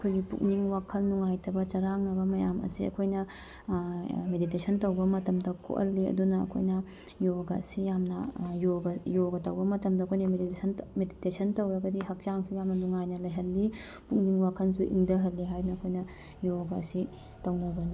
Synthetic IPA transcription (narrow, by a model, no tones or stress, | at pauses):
ɐkʰojɡipṵk̚niŋwakʰɐlːuŋajtʰɐbɐt͡ʃɐɾaŋnɐbɐmɐjamɐ̰siɐ̰kʰojnɐ | meditesʰɐntɐwbɐmɐtɐmdɐkʰo̰ʔɐ̰lːiɐ̰dunɐɐ̰kʰo̰jnɐ | joɡɐɐ̰sijamnɐjoɡɐjoɡɐtɐwbɐmɐtɐmdɐɐkʰojnɐmeditesʰɐnmeditesʰɐntɐwɾɐɡɐdiɦɐk̚t͡ʃaŋsujamnɐnuŋajnɐlɐjɦɐlːi | puk̚niŋwakʰɐnsuʔḭŋdɐɦɐlːiɦajnɐɐkʰojnɐ | joɡɐsi | tɐwnɐbɐni